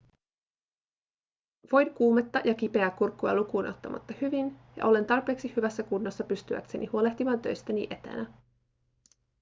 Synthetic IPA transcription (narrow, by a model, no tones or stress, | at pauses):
ʋo̞jdkuːmet̪ːɑjʔɑk̟ipe̞ækːurkːuɑ̰lukuːno̞t̪ːɑmɑ̰t̪ːɑhyʋinjɑ̰ʔo̞le̞nt̪ɑrpe̞ːksihyʋæsːækunːosːɑpyst̪yʋæ̰kse̞nʔihuo̞le̞ht̪imɑːnt̪ø̰jst̪ænḭʔe̞t̪ḛnæ